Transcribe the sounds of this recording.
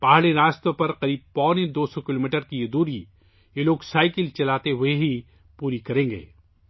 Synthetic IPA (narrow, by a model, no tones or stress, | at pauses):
paːɦɽeɾaːst̪opɐɾqɐɾiːb̚pɔːned̪oːsɔkɪloːmiːʈəɾkijed̪uːɾi | jeloːɡsaːɪkɪlt͡ʃɐlaːt̪eɦʊeɦi | puːɾikɐɾẽːŋɡḛː